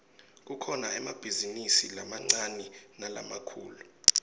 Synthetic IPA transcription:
k̬ukʰɔnaɛmab̥ʱizinisilamaŋ͡ǀanɛnala̰makʰṵːlu

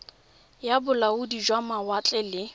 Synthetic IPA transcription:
jabʊlaʊdid͡ʒwamawat͡ɬʼɛlɪ

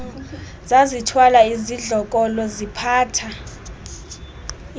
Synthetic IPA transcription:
zazitʰwalaiziɮɔk̬ʼɔlɔzipʰaːtʰa

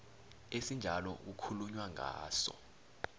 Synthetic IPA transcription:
esind͡ʒʱalɔ̰ukʰuluɲwaŋʱa̰ːsɔ̰

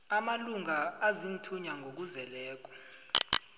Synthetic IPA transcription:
amaluŋaazin̩tʰuɲaŋʱok̬uzɛlɛːk̬ʼɔ̥

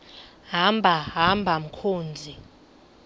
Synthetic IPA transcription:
ɦambʱaɦambʱam̩kʰoːnd͡zʱi

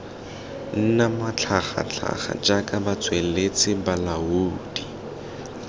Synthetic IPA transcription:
n̩namat͡ɬʰaχa̰t͡ɬʰa̰χa̰d͡ʒakʼabat͡sʼwelet͡sʼɪbalauːd̥i

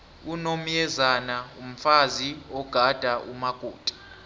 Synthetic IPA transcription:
unomjɛzanaum̩faziɔɡ̥ʱad̥ʱaʔumaɡ̥ʱuːtʼḁ

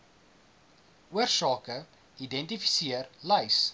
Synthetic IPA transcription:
uərsɑːkə | idɛntifi̥siərlɛjs

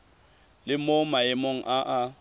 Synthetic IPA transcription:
lɪmomaɪmoŋ̩ʔaʔa

